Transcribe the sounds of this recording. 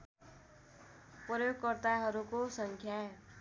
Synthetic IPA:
prʌjoɡ̚kʌrt̪aɦʌɾukosʌŋkʰja

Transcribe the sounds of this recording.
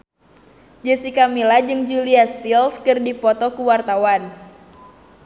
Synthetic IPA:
d͡ʒəsikamilad͡ʒɨŋd͡ʒuliast̪ilskɨrdipɔt̪ɔkuwart̪awan

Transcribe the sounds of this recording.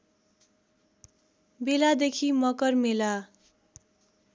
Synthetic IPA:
belad̪ekʰimʌkʌrmela

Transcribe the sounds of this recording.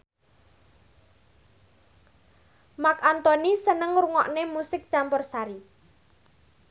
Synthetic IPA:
makant̪ɔnisənəŋɾuŋɔʔnemusɪk̚t͡ʃampʊrsaɾi

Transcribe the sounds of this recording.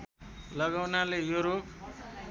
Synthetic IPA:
lʌɡawnalejoɾok

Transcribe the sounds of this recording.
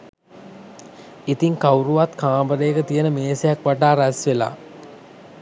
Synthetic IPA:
it̪iŋkawɾuʋat̪kaːbəɾeːkət̪ijənəmeːsejakʋaʈaːɾæsʋela̰ː

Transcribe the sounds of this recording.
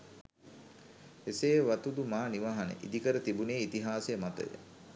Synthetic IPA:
eseːʋat̪ud̪umaːniʋaːɦanḛʔḭd̪ikəɾət̪ibuneːit̪iɦaːsejəmat̪ə̰jə̰

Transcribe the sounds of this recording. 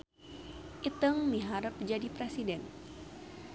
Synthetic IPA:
ʔit̪əŋmiɦaɾəp̚d͡ʒadipɾɛsidɛn

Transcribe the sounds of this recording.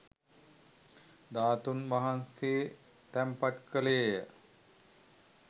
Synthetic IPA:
d̪aːt̪unʋaɦanseː | t̪æmpaʈkəleːjə

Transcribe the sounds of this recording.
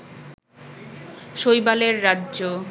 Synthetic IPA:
ʃojbaleɾːadʑo

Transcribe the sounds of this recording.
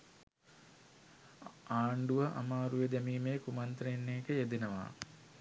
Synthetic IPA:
aːɳɖuʋɐʔa̰maːɾuʋed̪æmiːmeːkumant̪ɾɐinːeːkəjed̪inəʋa̰ː

